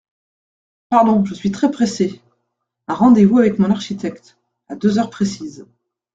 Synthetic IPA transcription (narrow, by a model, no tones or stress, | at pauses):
paʁd̪ɔ̃ʒəsɥit̪χɛpχese | ɛ̃ʁɑ̃d̪evuavɛkmɔ̃naʁʃit̪ɛkt̪ | ad̪øzœʁpχesiz